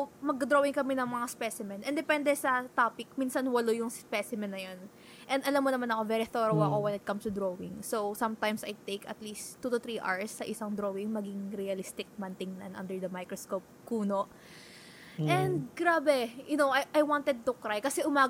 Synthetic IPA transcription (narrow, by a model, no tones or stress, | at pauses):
mɐɡ̚kd̪ɾowɪŋkɐmɛnɐŋmɐŋaspɛsɪmɛnʔɛnd̪ɛpɛ̃nd̪ɛsɐt̪apɪk̚minsɐnwɐlojʊŋspɛsɪmɛnːɐjon | ʔɛnd̪ɐlamːonɐmanɐkovɛːɾiθoɾowɐ̰ko̞wɛnɪt̪̚kɐmst̪ʊd̪ɾowɪ̰ŋsowsɐmt̪ãjmsɐjt̪ejkɐ̰t̪list̪ːut̪ʊθɾiʔa̰ɹsːɐʔɪsɐŋd̪ɾowɪŋmɐɡɪŋɾiɐlɪst̪ɪk̚mɐnt̪ɪŋnɐnʔɐ̰nd̪ɛɹd̪ɐmajkɾoskop̚kuːno̞ʔ | ʔɛ̃nd̪̚ɡɾaːbɛjʊnowajʔajwãnt̪ɛd̪̚t̪ʊkɾajkɐsɛʔʊmaː